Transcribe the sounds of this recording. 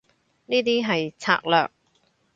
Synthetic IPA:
niː˥t̪iː˥ɦɐ˨jt͡sʰa̰ː˧k̚lœ̰ː˨k̚

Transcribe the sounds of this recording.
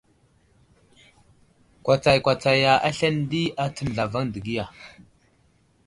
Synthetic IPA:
kʷa˨t͡sa˨jkʷa˨t͡sa˨ja˨ʔa̰˦ɬa˦n˦di˦a˦t͡sə˨n˨ɮa˨va˦ŋdə˨ɡi˦ja˨

